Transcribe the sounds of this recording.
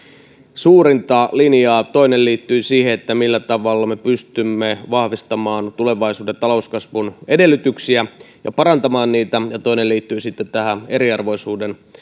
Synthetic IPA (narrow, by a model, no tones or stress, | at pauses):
suːɾint̪ɑlinjɑːt̪o̞inelliːt̪ːyːsiːheet̪ːæmilːæt̪ɑʋɑlːɑme̞pyst̪ymːeʋɑhʋist̪ɑmɑːnt̪ule̞ʋɑisuːdet̪ɑlo̞uskɑsʋunede̞lːyt̪yksiæ | jɑpɑɾɑnt̪ɑmɑːnniːt̪æjɑt̪oineliːt̪ːyːsit̪ːet̪t̪æhæe̞ɾiɑrʋo̞isuːden